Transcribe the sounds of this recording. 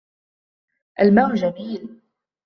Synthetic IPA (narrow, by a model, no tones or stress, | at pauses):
ʔalmaːʔd͡ʒamiːl